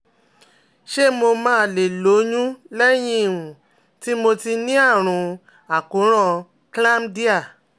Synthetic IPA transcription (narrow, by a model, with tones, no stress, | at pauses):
ʃe˦˨mo˧mãː˦le˨lo˨˦ɲũ˦lɛ˦j̃ĩ˧˨wũ˨ | ti˦mo˧ti˧nĩ˦a˦˨ɾ̃ũ˧ | a˨ku˨˦ɾ̃ɔ̃˦ | kla˦mdi˦a˦˨